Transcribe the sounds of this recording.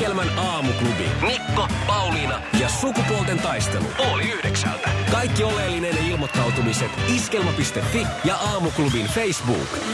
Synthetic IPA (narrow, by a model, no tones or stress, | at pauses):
elmænɑːmuklubḭblikːopɑwlinɑjɑsukukold̪e̞nt̪ɑjst̪e̞̰lṵoliyhdeksæ̰lt̪ækɑjkːioleːlːine̞nilmo̞t̪ːɑwt̪umiset̪iske̞lmɑpist̪e̞fːijɑʔɑːmuklubinfejsbṵːk